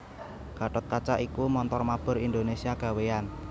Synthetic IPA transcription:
ɡ̥a̤ʈɔt̪̚kat͡ʃaʔikumɔnt̪ɔrmab̥ʊ̤ɾind̪onesiaɡ̥a̤wean

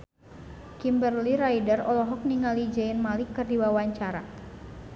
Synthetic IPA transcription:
kimbərliɾajdərɔlɔɦɔk̚niŋalid͡ʒɛinmalikɨrdiwawaɲt͡ʃaɾa

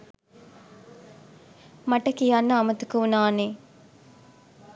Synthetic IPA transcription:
maʈəkijanːɐːmɐt̪ukəunaːneː

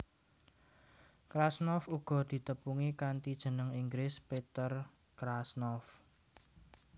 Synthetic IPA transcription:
kɾasnɔfuɡ̥ɔ̤d̪̥i̤t̪əpuŋikant̪id̥ʒ̥ə̤nəŋiŋɡɾɪspet̪ər | kɾasnɔf

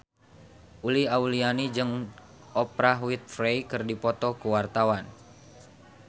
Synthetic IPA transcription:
ʔuliaulianid͡ʒɨŋ | ʔɔpɾaɦwit̪̚fɾejkɨrdipɔt̪ɔkuwart̪awan

